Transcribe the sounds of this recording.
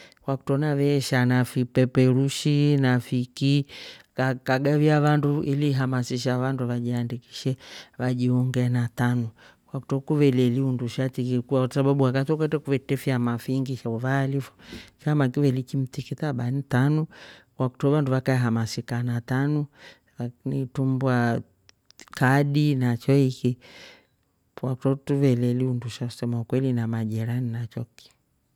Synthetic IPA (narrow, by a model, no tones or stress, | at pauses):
kwaku̥tɔnavɛʃanafipɛpɛɾuʃinafikikakaɡaviaβanduʔiliɦamasiʃaβanduβaʄiandiki̥ʃɛβaʄiɔŋɡɛnatanu | kwaku̥tɔkuvɛlɛliunduʃatikikuasaɓaɓuakatɔkɛtɛkuvɛtɛfiamafiŋɡiʃauvaːlifɔ̥famakivɛlikim̩t̪ikitaɓanitanɔwaktɔvanduvakaɛɦamasikanatanu | aknitumbwa | kaɗinat͡ʃɔiki | waktɔtuvɛlɛliunduʃau̥sɛmaukwɛlinamaʄɛɾaninat͡ʃɔki̥